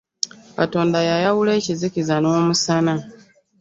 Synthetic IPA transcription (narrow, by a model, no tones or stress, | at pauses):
kato̞ːndajajawule̞ːcizikizano̞ːmusana